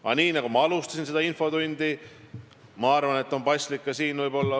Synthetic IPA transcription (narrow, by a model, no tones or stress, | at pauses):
ɑ̰niːnɑɡ̥umɑɑlust̪ɑs̬ʲinse̞d̪ɑinfo̞d̪unʲd̪i | mɑɑrvɑne̞t̪ːˑo̞npɑjsʲlikːɑsiːnvɯjbo̞lːɑ